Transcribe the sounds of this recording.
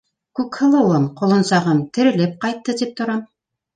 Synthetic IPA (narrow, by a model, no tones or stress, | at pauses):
kʉkhɤ̆lˠɤ̆wɤmqŏlˠɤ̆nsɑʁɤmt̪ɘ̆ɾɘ̆lɘp̚qɑjt̪ːɤd̪ip̚t̪ŏɾɑm